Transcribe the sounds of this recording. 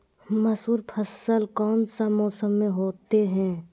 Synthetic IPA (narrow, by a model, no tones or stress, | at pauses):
mɐsuːɾpʰəsəlkɔːnsamɔːsəmːẽɦoːt̪eɦɛ̃ː